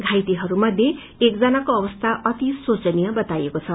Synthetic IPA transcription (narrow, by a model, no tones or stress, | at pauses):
ɡʱajt̪iɦʌɾumʌd̪ʱje | ek̚d͡zʌnakoʌbʌst̪ʰaʔʌt̪isot͡sʌnijʌbʌt̪ajekot͡sʰʌ